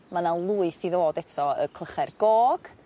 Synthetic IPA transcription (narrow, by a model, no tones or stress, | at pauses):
manalˠuːɨθiðoːdɛtʰɔə̰kʰlˠəχɛrɡ̥ɔːɡ̥